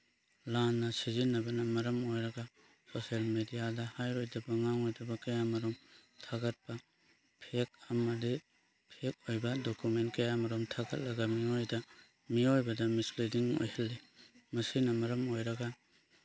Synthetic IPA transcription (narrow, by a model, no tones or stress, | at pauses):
lanːɐsizinːɐbɐnɐmɐɾɐmojɾɐɡɐ | soselmedijadɐhajɾojdɐbɐŋaŋojdɐbɐkɐjamɐɾomtʰaɡɐt̚pɐ | pʰek̚ɐmɐdi | pʰek̚ojbɐdokument̚kɐjamɐɾumtʰaɡɐt̚lɐɡɐmiojdɐ | miojbɐdɐmislidiŋo̰jhɐlːimɐsinɐmɐɾɐmojɾɐɡɐ